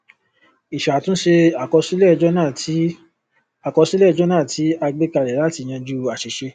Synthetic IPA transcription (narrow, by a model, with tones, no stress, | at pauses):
i˨ʃa˨tũ˦ʃe˧a˨kɔ˧si˦lɛ˦˨d͡ʒɔ˦nã˦˨ | a˨kɔ˧si˦lɛ˦˨d͡ʒɔ˦nãː˦˨ti˨˦a˧ɡ͡be˦ka˧˨lɛ˨la˦ti˧j̃ã˧d͡ʒu˦a˨ʃe˨ʃe˧